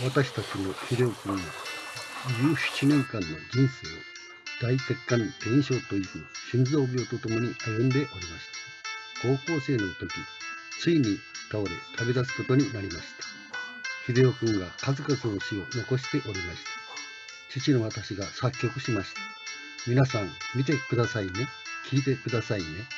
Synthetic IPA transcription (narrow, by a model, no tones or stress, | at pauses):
βat̪aɕi̥t̪at͡ɕino̞çid̪e̞okɯ̟̃ɰ̃ɡa | jɨːɕi̥t͡ɕinẽ̞ŋkãnːo̞̰d͡ʑĩɰ̃se̞ː | d̪̥aise̞kːãnd̪̥ẽ̞ɰ̃ɕo̞ːt̪o̞iɡɯɕĩnd͡zo̞ːbʲo̞ːt̪o̞t̪o̞mo̞ɲ̟iʔajɯ̃nd̪e̞ʔo̞ɾʲimaɕi̥t̪ḁ | ko̞ːko̞ːse̞ːno̞t̪o̞kʲit͡sɨiɲi̥kaoɾḛt̪ʰabe̞d̪asɨ̥ko̞t̪o̞ɲ̟inaɾʲimaɕi̥t̪ḁ | çʲid̪e̞o̞kɯ̟̃ŋɡa̰kazɨkazɨno̞ɕio̞no̞ko̞ɕ̬i̥t̪e̞ʔo̞ɾʲimaɕi̥t̪ḁ | t͡ɕit͡ɕino̞βat̪aɕiɡasakʲːo̞kɯ̟ɕimaɕi̥t̪ḁ | mʲinasãŋmʲit̪e̞kɯ̟d̪asaine̞ | kʲʰiːt̪e̞kɯ̟d̪asaine̞